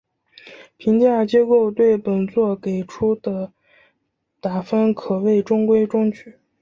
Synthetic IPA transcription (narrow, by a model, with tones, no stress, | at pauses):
pʰi˧˥ŋt͡ɕja˥˩t͡ɕjɛ˥ko˥˧ʊt̪we˥˩ɪpə˨˩nt͡swɔ˥˩ke˨˩ɪʈ͡ʂʰu˥d̪ə˨ | t̪a˨˩fə˥nkʰɤ˨˩we˥˩ɪʈ͡ʂʊ˥ŋkwe˥ɪʈ͡ʂʊ˥ŋt͡ɕʰy˨˩˦